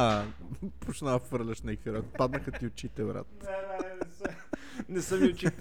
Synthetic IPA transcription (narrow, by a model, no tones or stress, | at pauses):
a | pot͡ʃnafɤɾlʲɐʃnɛkiɾɔk̪pad̪nəxɐt̪iʊt͡ʃit̪ɛbɾa̰t̪ | nɛsəmiʊt͡ʃi